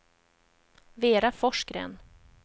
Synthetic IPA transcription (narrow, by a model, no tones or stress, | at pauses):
veːɾafɔʂkɾɛ̰n